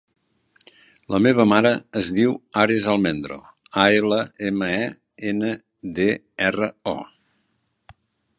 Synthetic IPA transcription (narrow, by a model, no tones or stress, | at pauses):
ləmeβəmaɾəːzðiwaɾezalˠmend̪ɾo̰ | aeləeməɛ | enə | d̪e | ɛrəɔ̰